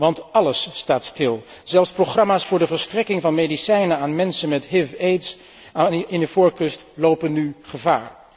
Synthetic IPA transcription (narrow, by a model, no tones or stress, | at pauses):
ʋɑntɑləsːtaːtstɪlˠ | z̥ɛlˠfsproχrɑmaːsfʊːɹdəvəɹstrɛkɪŋvɑnmejdisɛjnəaːnmɛnsənmɛtɦɪfejts | ɪndəvʊːɹkɵstlowpənːyχəva̰ːɹ